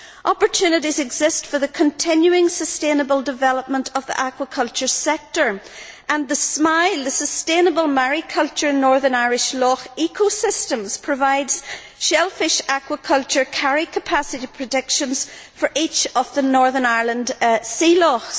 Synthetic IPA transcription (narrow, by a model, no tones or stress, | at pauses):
ʔɔpə˞tʰʉnəɾizɛɡzɪstfə˞ðəkʰə̃ntʰɪ̃njʉɪ̃ŋsəstẽnəbəlˠdɪvɛlˠəp̚mə̃ntʰəvðḭʔakwəkʰʌlˠt͡ʃə˞sɛk̚tə˞ | ʔə̃nðəsmaɪlˠðəsəstẽnəbəlˠmaɹikʰʌlˠt͡ʃə˞nɔɹðə˞naɪɹɪʃlɔkikʰosɪstə̃mz̥pʰɹ̥əvaɪdz̥ | ʃɛlˠfɪʃakwəkʰʌlˠt͡ʃə˞kʰaɹikʰəpʰasɪɾipʰɹ̥ədɪkʃə̃nz̥fə˞ʔit͡ʃəvðənɔɹðənaɪɹlˠə̃nd̥silɔks